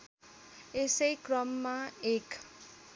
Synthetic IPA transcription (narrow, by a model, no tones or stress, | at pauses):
esʌjkrʌmːaek